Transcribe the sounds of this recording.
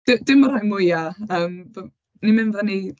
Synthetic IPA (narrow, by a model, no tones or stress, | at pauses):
d̥ɪd̥ɪmɔɾajmʊjaəːm | nimɪnvəni